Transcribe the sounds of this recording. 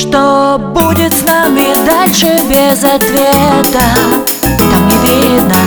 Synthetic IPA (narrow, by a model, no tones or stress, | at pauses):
ʂt̪obudʲɪt̪snamʲɪd̪alʲʂɨbʲɪzɐt̪vʲet̪ə | t̪amnʲɪvʲiɪd̪nə